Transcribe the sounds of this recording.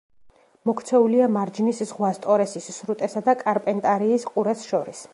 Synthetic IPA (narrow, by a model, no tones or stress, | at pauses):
mɔkʰt̪sʰɛuliamaɾd͡ʒniszʁwast̪ʼɔɾɛsisːɾut̪ʼɛsad̪akʼaɾpʼɛnt̪ʼaɾiːsqʼuɾɛsʃɔɾis